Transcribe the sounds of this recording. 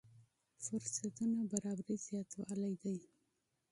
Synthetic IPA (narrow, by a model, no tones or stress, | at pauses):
fʊɾsat̪unabaɾɑbɾiz̥jɑt̪wɑlajd̪aj